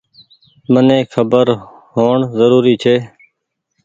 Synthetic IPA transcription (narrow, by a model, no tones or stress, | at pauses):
mənẽːkʰəbəɾ | ɦoːɳzəɾuːɾiːt͡ʃʰeː